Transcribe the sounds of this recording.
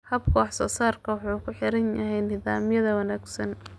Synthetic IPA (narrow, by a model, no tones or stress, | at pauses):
hɐbkʰɔɑħsɔːsaːrkʰɐwħuːkʰʊħɪɾɐnjɐɦɛjnɪðaːmɪjɐðɐwɑnaːɡsɐn